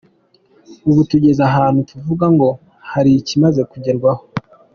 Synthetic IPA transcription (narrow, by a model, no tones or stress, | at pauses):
uβutuɟe̞zaɦaːn̥hutuvuɡaŋɡo̞ | haɾicimaze̞kuɟeɾɡwaho